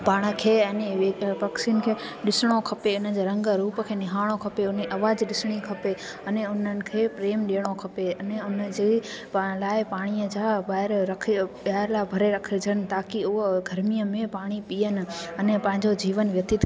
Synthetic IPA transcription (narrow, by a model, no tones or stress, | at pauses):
paːɽ̃ə̆kʰeːɐneʋepeksiːnkʰeːɗɪsɪɽ̃okʰɐpeʊnəd͡ʑeːɾɐ̃ŋɡəɾuːpəkʰeːnɪɦaːɽ̃okʰɐpeʊneʔɐʋaːd͡ʑɗɪsɽ̃ikʰɐpe | ɐneʊnənɪ̆kʰeːpɾeːmɗiːəɽ̃okʰɐpeɐneʊnəd͡ʑeːpãlaːɪpaːɽ̃iəd͡ʑaːbaːɪɾɾɐkʰɓaːɪɾlabʱɐɾeɾɐkʰəd͡ʑʱənɪ̆t̪aːkiʊɦɡʱɐɾmijəmẽpaːɽ̃ipiənɪ̆ɐnepɐ̃ɦɪ̃ɲd͡ʑod͡ʑiːʋənʋjɐt̪ɪt̪